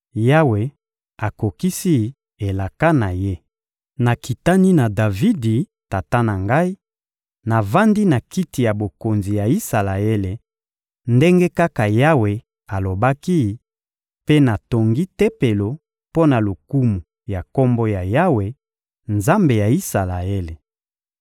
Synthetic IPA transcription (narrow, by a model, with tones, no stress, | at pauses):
ja˦we˨ | a˨ko˨ki˦si˦˨ | e˨la˨ka˦na˨je˦ | na˨ki˨ta˦ni˦na˨da˨vi˦di˨ | ta˨ta˦na˨ŋɡa˦i˦ | na˨va˦ndi˦na˨ki˦ti˨ja˨bo˨ko˨nzi˨ja˨i˦sa˨la˨e˦le˨ | nde˦ŋɡe˦ka˦ka˨ja˦we˨ | a˨lo˨ba˦ki˦˨ | pe˦na˨to˨ŋɡi˦te˦pe˨lo˨ | po˦na˨lo˨ku˦mu˨ | ja˨ko˦mbo˦ja˨ja˦we˨ | nza˦mbe˨ja˨i˦sa˨la˨e˦le˨